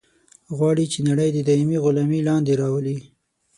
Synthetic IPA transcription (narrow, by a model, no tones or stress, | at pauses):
ɣwɑɽit͡ʃenaɽəjd̪əd̪ɑimiɣʊlɑmilɑnd̪eɾɑwəli